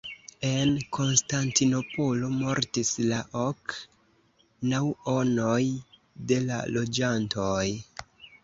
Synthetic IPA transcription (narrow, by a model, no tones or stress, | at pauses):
e̞nkʰo̞nstantino̞po̞lo̞mo̞ɾtislaʔok | nawonoj | de̞la̰lo̞d͡ʒantoj